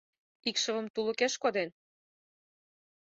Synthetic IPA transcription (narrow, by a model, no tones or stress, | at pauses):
ikʃɤ̆və̆mt̪ulə̆keʃkod̪en